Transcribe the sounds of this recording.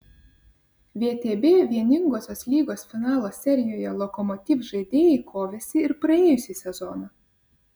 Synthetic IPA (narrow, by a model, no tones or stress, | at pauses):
ʋʲeːt̪ʲeːbʲeːʋʲiɛnʲɪŋɡoːsʲoːslʲiːɡoːsfʲɪnɑːlˠoːsʲɛɾʲɪjoːjɛlˠɔkɔmɔt̪ʲiːfʒɐɪd̪ʲeːjikʰoːʋʲɛsʲɪɪɾpɾɐeːjʊsʲisʲɛzɔnɐ